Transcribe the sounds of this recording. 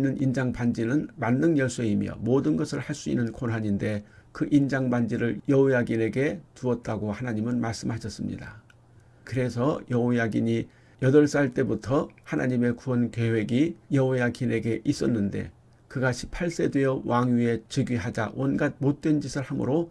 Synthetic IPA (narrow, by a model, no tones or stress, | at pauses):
nːɯnʔind͡ʑaŋband͡ʑinɯnmanːɯnjʌɭs͈eimjʌ̰modɯnɡʌsʰɯɭhaɭs͈uḭnːɯnkʰonɦaɲinde̞kɯʔind͡ʑaŋband͡ʑiɾɯɭjʌojaɡine̞ɡe̞tuʌt̚t͈aɡohanaɲimɯnmaɭs͈ɯmɦaɕʰʌs͈ɯmɲḭda | kɯɾe̞sʰʌjʌojaɡiɲi | jʌdʌɭs͈aɭt͈e̞butʰʌhanaɲime̞kuʌnke̞we̞ɡijʌojaɡine̞ɡe̞ʔis͈ʌnːɯnde̞̰ | kɯɡaɕʰi̥pʰaɭs͈e̞dwe̞jʌwaŋie̞t͡ɕɯɡɥiɦad͡ʑa̰wʔʌnɡad̚mot̚t͈we̞nd͡ʑisʰɯɭhamɯ̰ɾo